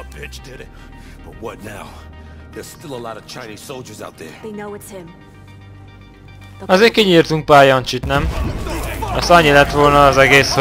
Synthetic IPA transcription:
pʰɪt͡ʃd̥ɪɾɪt̚ | b̥ʌt̚wʌtⁿnaʊ | ðə̥˞stɪlˠəlɔɾʌv̥t͡ʃʰãɪ̃niz̥soʊlˠd͡ʒə˞zaʊt̪̚ðə̰˞ðenoʊɪtshɪ̃m | ɒzeːkiɲiːrt̪uŋk̚paːjɒnt͡ʃit̪nɛm | ɒst̪ɒɲːilɛt̪ʋo̞lnɒːzɛɡeːs

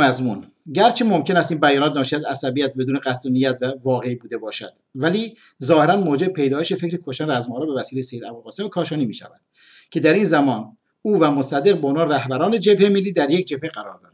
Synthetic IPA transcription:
mæzmun | ɟæɾt͡ʃʰemo̞mcʲʰe̞næst̪iːnbæjɒːnɒːt̪̚nɒːʃiæt̪æsæbijæt̪̚be̞d̪uːneɣæsunijæt̪vævɒːɣe̞ibuːd̪e̞bɒːʃæ̰d̪̥væliː | zɒːheɾænmoːd͡ʒebepʰe̞jd̪ɒːjeʃefe̞cɾikʰoʃænd̪ææzmɒːɾɒːbe̞væsiːlejsehiɾæbulʁɒːse̞mkʰɒːʃɒːniːmiːʃæ̰væ̰d̪̥ | cʰe̞d̪æɾiːnzæmɒːn | uːvæmosæd̪ːe̞ɣbeonɒːnɾæhbæɾɒːned͡ʒe̞bhemelːiːd̪æɾjecʰd͡ʒe̞b̥̚heɡæɾɒ̰ːɾd̪ɒːɾ

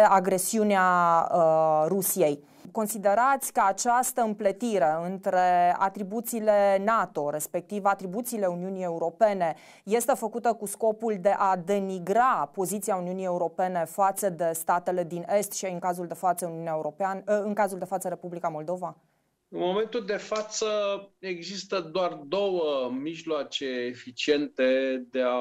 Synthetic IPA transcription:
aɡɾe̞siunea | ɾusije̞j | ko̞nsid̪e̞ɾat̪sʲkəat͡ʃast̪əɨmplət̪iɾe̞ɨnt̪ɾe̞a̰t̪ɾibut̪siːle̞nat̪o̞ɾe̞spe̞k̚t̪ivat̪ɾibut̪siːle̞uniunie̞uɾo̞pe̞ne̞ | je̞st̪e̞fəkut̪əkusko̞puld̪e̞ʔad̪e̞niɡɾapo̞zit̪siauniunije̞uɾo̞pe̞ne̞fat̪səd̪e̞st̪at̪e̞le̞d̪ine̞st̪ʃiaɨŋkazuld̪e̞fat̪səuniuneaeuɾopanɨŋkazuld̪e̞fat̪səɾe̞publikamo̞ld̪o̞va | ɨnmo̞me̞nt̪uld̪e̞fat̪səeɡzist̪əd̪oard̪o̞wəmiʒloat͡ʃe̞ːfit͡ʃie̞nt̪e̞d̪ea

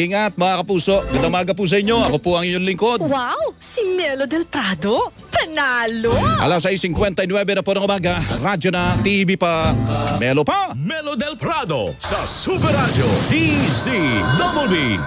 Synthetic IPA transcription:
iŋɐt̪̚mɐŋakɐpuːso̞ɡɐd̪ɐmaɡɐp̬us̬ɐʔɪɲːo̞ɐkopuʔɐŋɪɲoŋlɪŋkod̪wawsimɛlod̪ɛlpɾad̪o | pɐnaːloʔɐ̰lasɐisɪŋkwɛnt̪ɐjnwɛbɛnɐponɐŋʔʊmaːɡɐɾad͡ʒonɐt̪ibipɐmɛlopamɛlod̪ɛlpɾad̪o̰sɐsupɛɾad͡ʒot̪isid̪ɐbolwi

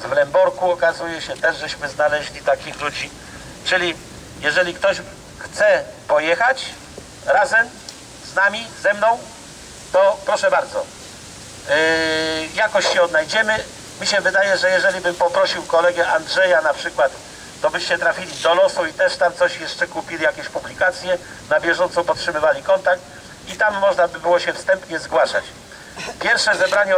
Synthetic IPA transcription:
zvlɛmbɔɾkuɔkazujɛɕɛt̪ɛʐʐɛɕmɘznalɛʑlʲit̪akʲixlud͡ʑi | t͡ʂɘlʲi | jɛʐɛlʲikt̪ɔɕ | xt̪sɛpɔjɛxat͡ɕ | ɾazɛm | znamʲizɛmnɔ̃w̃ | t̪ɔpɾɔʂɛbaɾd̪zɔ̰ | jakɔɕɕɛɔd̪najd͡ʑɛmɘ | mʲiɕɛvɘd̪ajɛʐɛjɛʐɛlʲibɘmpɔpɾɔɕiwkɔlɛɡɛʔandʐɛjanapʂɘkwat̪ː | ɔbɘɕt͡ɕɛt̪ɾafʲilʲid̪ɔlɔsuit̪ɛʂt̪amt̪sɔɕjɛʂt͡ʂɛkupʲilʲijakʲɛɕpublʲikat̪sʲjɛ | nabʲjɛʐɔnt̪sɔ̃pɔtʂɘmɘvalʲikɔnt̪ak̚t̪ | it̪amːɔʐnabɘbɘwɔɕɛfst̪ɛmpɲɛzɡwaʂa̰t͡ɕ | pʲjɛɾfʂɛzɛbɾaɲɛ

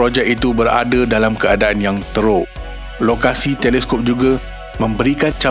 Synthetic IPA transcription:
ɾod͡ʒɛk̚it̪ubəɾa̰dadalamkəadaanjaŋt̪əɾʊʔ | lokasit̪ɛlɛskɔp̚d͡ʒuɡa | mə̃mbəɾikant͡ʃa

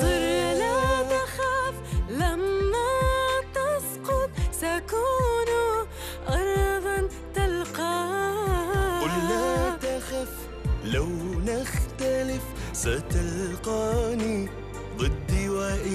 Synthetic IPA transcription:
t̪ˤɨɾlat̪axaflamːat̪ɑsqʊt̪̚ˤsakun | ʔɑɾˤðˤɑn | t̪alqɑː | ʊlːat̪axaf | lawnaxt̪alɪfsat̪alqɑːni | ðˤɨd̪ːiwaːʔɪ

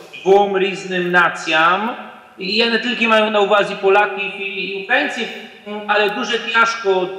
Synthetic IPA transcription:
vɔmɾiznɨmnat̪sʲjam | janɛt̪ɘlkʲɛmajɔ̃w̃nauvazʲipɔlakʲifiifɛnt̪sʲji | alɛd̪uʐɛpʲjaʂkɔ

